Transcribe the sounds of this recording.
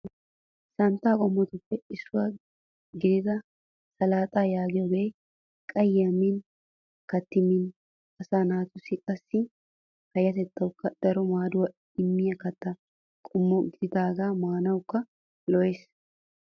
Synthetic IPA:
sɐnt̪ːaːkʼɔmːɔt̪ʊpːɛɪsːʊwaː | ɡɪd̪ɪd̪ɐ | sɐlaːt̪ʼaːjaːɡɪjɔɡej | kʼɐjjɐmin | kɐt̪ːɪmin | ɐsaːnaːt̪ʊsɪkʼɐsːɪ | hɐjɐt̪ɛt̪ːɐwʊkːɐd̪̥ɐɾɔmaːd̪ʊwɐ | ɪmːɪjɐkɐt̪ːɐ | kʼɔmːɔɡɪd̪ɪd̪aːɡaːmaːnɐwkːɐ | lɔʔes

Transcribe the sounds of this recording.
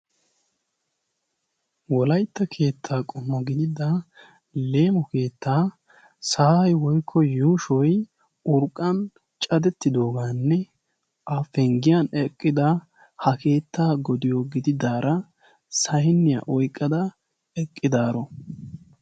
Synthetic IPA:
wɔlɐjt̪ːɐkʰe̞ːt̪ʰːaːkʼɔmːɔɡɪd̪ɪd̪ɐ | le̞ːmɔke̞ːt̪ːaː | saːhɐjwɔjkʰːɔjuːʃɔj | ʊɾkʼːɐn | t͡ʃʼɐd̪ɛt̪ːɪd̪o̞ːɡaːnːɛ | ʔaːfɛŋɡɪjanɛkʼːɪd̪ɐ | hɐkʰe̞ːt̪ʰːaːɡɔd̪ɪjoɡɪd̪ɪd̪aːɾɐ | sɐjɪnːɪja̰ʔɔjkʼːɐd̪ɐ | ɛkʼːɪd̪aːɾɔ

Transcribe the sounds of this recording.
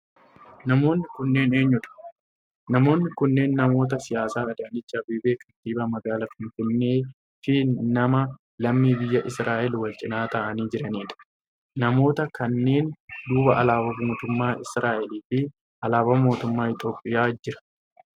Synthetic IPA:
nɐmo̞ːnːɪkʊnːe̞ːne̞ːɲːʊᶑɐ̥ | nɐmo̞ːnːɪkʊnːe̞ːnːɐmo̞ːt̪̬ɐsɪjaːsaːɐd̪ɐnɪt͡ʃːabibeːkɐt̪iːbɐmɐɡaːlɐfɪnfɪnːe̞ː | fɪnɐmɐ | lɐmːiːbɪjːɐʔɪsɾaːʔɛlwɐlt͡ʃʼɪnaːt̪ɐʔɐniːd͡ʒɪɾɐniːᶑɐ̥ | nɐmo̞ːt̪ɐkɐnːe̞ːnd̪uːbɐʔɐlaːbɐmoːt̪ʊmːaːʔɪsɾaːʔɛliːfɪ | ʔɐlaːbɐmo̞ːt̪ʊmːaːɪt̪ʼo̞ːpʼːɪjaːd͡ʒɪɾɐ̥

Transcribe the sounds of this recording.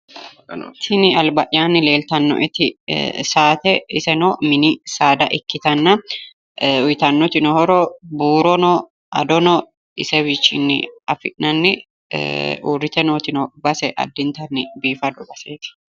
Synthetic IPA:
t̪ʰɪnɪɐlbɐʔjaːnːɪle̞ːlt̪ɐnːɔ̰ʔɛt̪ɪsaːt̪ɛɪsɛnoːmɪnɪsaːd̪ɐʔɪkːɪt̪ɐnːɐ | ʊjt̪ɐnːɔt̪ɪnɔhɔɾɔbuːɾɔnɔ | ɐd̪ɔnɔ | ɪsɛwɪt͡ʃːɪ̰nːɪ̰ɐfɪʔnɐnːɪ | ṵːrɪt̪ɛnoːt̪ɪnɔbɐsɛʔɐ̰d̪ːɪnt̪ɐnːɪbiːfɐd̪ɔbɐseːt̪ɪ̥

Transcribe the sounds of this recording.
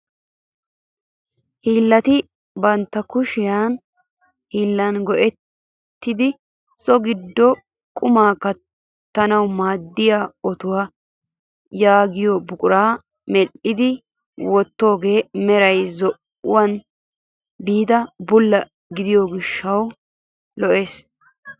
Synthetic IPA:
hiːlːɐt̪ɪ | bɐnt̪ːɐkʊʃɪjaːn | hiːlːɐnɡɔʔɛt̪ː | ɪd̪ɪ | sɔɡɪd̪ːɔ | kʼʊmaːkɐ | t̪ːɐnɐwmaːd̪ːɪjaːɔt̪ʊwaː | jaːɡɪjobʊkʼʊɾaː | mɛʔɪd̪ɪ | wɔt̪ːo̞ːɡe̞ːmɛɾɐjzɔʔ | ʊ̰wɐn | biːd̪ɐbʊlːɐ | ɡɪd̪ɪjɔɡɪʃːɐw | lɔʔe̞ːs

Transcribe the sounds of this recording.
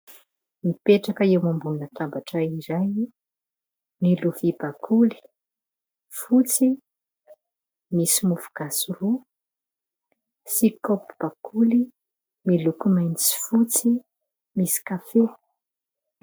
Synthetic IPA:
mipeʈ͡ʂakəewmambulnət̪ambaʈ͡ʂaizaj | miluvibakʰuli̥ | fut͡si | misimufu̥ɡ̥asuru | sikopu̥b̥akʰuli | milukumajnt͡si̥fut͡si | misi̥kafew

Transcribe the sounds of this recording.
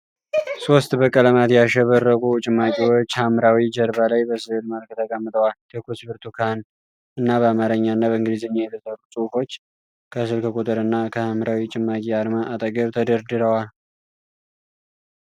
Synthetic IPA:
so̞st̪bəkʼələmat̪jaʃɛβərːəkʼut͡ʃʼɪmːakʼiwo̞t͡ʃːhamɾawid͡ʒəɾβalajbəsɨlməlkt̪ʰəɡʼamːɨt̪ʼəwalkʰəkʰusbɨɾt̪ʰukʰan | ɨnːaβəamaɾəɲːaɨnːabəɨŋɡlizɨɲːajɛt̪ʰəsəɾusʼufo̞t͡ʃː | kʰəs̬ɨlkʰəkʼut̪ʼɨɾɨnːakʰəhamɾawit͡ʃʼɪmːakʼiaɾmaʔat̪ʼəɡəβt̪ʰəd̪əɾd̪ɨɾəwal

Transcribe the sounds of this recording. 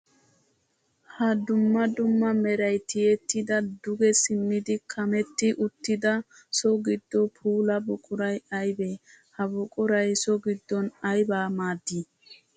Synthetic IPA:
hɐd̪ʊmːɐd̪ʊmːɐmɛɾɐjt̪ɪjɛt̪ːɪd̪ɐd̪ʊɡɛsɪnːɪd̪ɪkʰɐmɛt̪ːɪʔʊt̪ːɪd̪ɐ | sɔɡɪd̪ːɔpʰuːlɐbʊkʼʊɾɐjɐjbɛ | hɐbʊkʼʊɾɐjsɔɡɪd̪ːɔnɐjbaːmaːd̪ːi

